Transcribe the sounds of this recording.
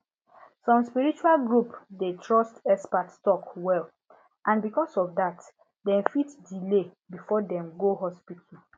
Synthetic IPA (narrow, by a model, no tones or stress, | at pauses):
sɔ̃mspiɹit͡ʃualɡɹupdetʰɹɔstɛspatstɔkwɛl | ʔãnbikɔsɔfdat | dɛ̃mfitdilebifɔdɛ̃mɡoɦɔspitʰli